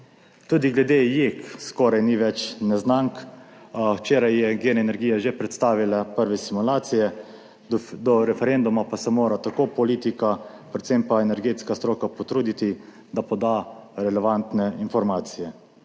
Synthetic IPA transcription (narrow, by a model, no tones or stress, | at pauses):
t̪uːd̪iɡlɛd̪ejekskɔɾajniʋɛt͡ʃnɛznaŋk | wt͡ʃeːɾajːɛɡenɛnɛɾɡijaʒepɾɛt̪st̪aːʋilapəɾʋɛsimulaːt̪sijɛ | d̪ɔɾɛfɛɾend̪umapasɛmoːɾat̪akoːpɔliːt̪ika | pɾɛt̪sempaɛnɛɾɡeːt̪skast̪ɾoːkapɔt̪ɾuːd̪it̪i | d̪apɔd̪aɾɛlɛʋant̪nɛinfɔɾmaːt̪sijɛ